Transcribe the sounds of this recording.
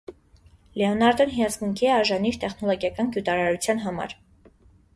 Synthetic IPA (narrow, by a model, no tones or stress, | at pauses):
lɛɔnɑɾd̪ɔnɦijɑzɡuŋkʰiɛɑɾʒɑniɾt̪ɛχnɔlɔɡjɑkɑnkjut̪ɑɾɑɾut͡sʰjɑnɦɑmɑ̰ɾ